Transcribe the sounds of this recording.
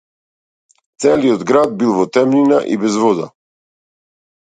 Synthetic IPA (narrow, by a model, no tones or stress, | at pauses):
t̪sɛliɔd̪ɡɾad̪̚bilˠvɔt̪ɛmnina̰ʔḭbɛzvɔd̪a̰